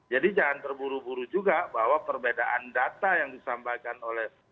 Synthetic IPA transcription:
d͡ʒadid͡ʒalant̪ərbuɾubuɾud͡ʒuɡabaɦwapərbedaʔandat̪ajaŋdisambajkanolɛh

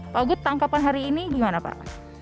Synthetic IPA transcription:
paɡʊt̪ːaŋkapanɦaɾiːniɡimanapa̰ʔ

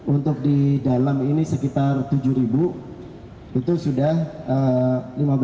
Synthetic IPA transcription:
unt̪ʊk̚didalaminisəkit̪art̪ud͡ʒuɾibu | it̪usudahəlimab

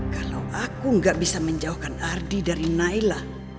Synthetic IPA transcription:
kalawʔakuŋɡaʔbisaməɲd͡ʒauhkanardidaɾinailah

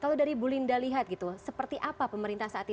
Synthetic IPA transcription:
kalodaɾibulindaliɦat̪̚ɡit̪usəpərt̪iʔapapəməɾint̪ahsaːt̪

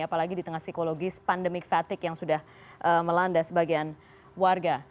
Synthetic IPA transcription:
apalaɡidit̪əŋahsikoloɡɪspandəmɪk̚fat̪ɪkjaŋsudah | ʔəməlandasəbaɡian | warɡa

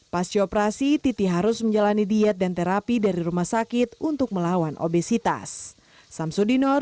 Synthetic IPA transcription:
pasiopɾasit̪it̪iɦaɾusməɲd͡ʒalanidiɛt̪̚dant̪eɾapidaɾiɾumahsakɪt̪̚unt̪ʊk̚məlawanʔo̰besit̪a̰sː | amsudinɔr

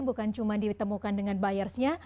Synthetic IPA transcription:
ŋbukant͡ʃumandit̪əmukandəŋanbajarsɲa

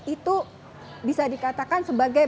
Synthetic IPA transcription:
it̪u | bisadikat̪akansəbaɡa

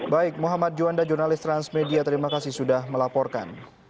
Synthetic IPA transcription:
baɪk̚muɦamat̪̚d͡ʒuandad͡ʒurnalɪst̪ɾansmediat̪əɾimakasɪhsudahməlapɔrka̰n

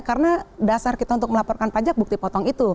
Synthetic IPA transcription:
kaɾənadasarkit̪aunt̪ʊk̚əlapɔrkanpad͡ʒak̚buk̚t̪ipɔt̪ɔŋit̪u

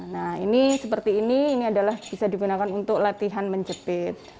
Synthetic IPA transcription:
nahḭnisəpərt̪iːniːniadalahb̥isadiɡunakanunt̪ʊk̚lat̪iɦanməɲt͡ʃəpɪt̪̚

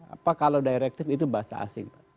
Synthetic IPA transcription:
a̰pakalawdaiɾɛk̚t̪ɪfit̪̬ubaasa̰a̰sɪŋpa

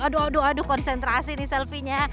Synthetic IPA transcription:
aduaduadukɔnsɛnt̪ɾasinɪhsɛlfiɲa

